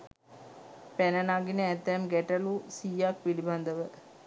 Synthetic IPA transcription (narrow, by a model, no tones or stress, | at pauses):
pænənaɡinəæt̪ːɛmɡɛʈəlusijak̚piliband̪əʋə